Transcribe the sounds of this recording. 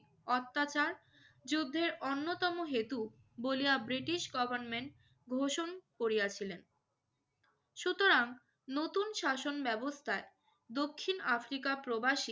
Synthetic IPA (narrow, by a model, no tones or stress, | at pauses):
ɔt̪ːat͡ɕaɾ | d͡ʑud̪ʱːeɾonːot̪ɔmoɦet̪u | bolijabɾiʈiʃɡɔbʱaɾnmeɳʈ̚ | ɡʱoʃonkoɾijat͡ɕʰilen | ʃut̪oɾaŋ | not̪unʃaʃonbɛbost̪ʰae | d̪okʰːinafɾikapɾobaʃi